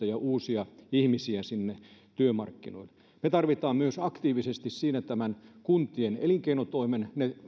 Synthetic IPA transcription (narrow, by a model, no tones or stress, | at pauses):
ɑjɑʔuːsiɑihmisiæsinːet̪yømɑ̰rkːino̰il | met̪ɑrʋit̪ɑːmmyøsɑkt̪iːʋisest̪issiːnæt̪æmænkunt̪ienḛliŋkeinot̪oimenne